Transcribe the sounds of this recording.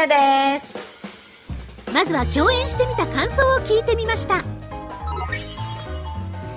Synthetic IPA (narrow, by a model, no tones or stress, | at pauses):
d̪es | mazɨβakʲo̞ːẽ̞ɰ̃ɕi̥t̪e̞mʲit̪akãɰ̃so̞ːokʲiːt̪e̞mʲimaɕi̥t̪a